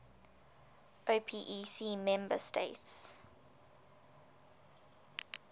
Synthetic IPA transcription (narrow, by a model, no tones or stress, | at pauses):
ʔoːpʰiʔisiːmɛ̃mbə̰stʰḛɪts